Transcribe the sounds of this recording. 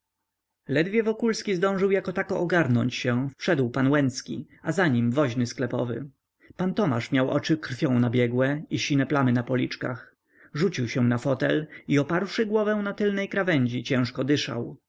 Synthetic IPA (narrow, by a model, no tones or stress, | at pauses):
lɛd̪vʲjɛvɔkulskʲizd̪ɔ̃w̃ʐɘwjakɔt̪akɔʔːɡaɾnɔɲt͡ɕɕɛ̃fpʂɛd̪wpanwɛnt̪skʲḭ | azaɲimvɔʑnɘsklɛpɔ̰vɘ̰ | pant̪ɔmaʂmʲjawʔɔ̰t͡ʂɘkɾfʲjɔ̃w̃nabʲjɛɡwɛiɕinɛplamɘnapɔlʲit͡ʂka̰x | ʐut͡ɕiwɕɛ̃w̃nafɔt̪ɛliɔpaɾwʂɘɡwɔvɛ̃w̃nat̪ɘlnɛjkɾavɛɲd͡ʑit͡ɕɛ̃w̃ʂkɔd̪ɘʂa̰w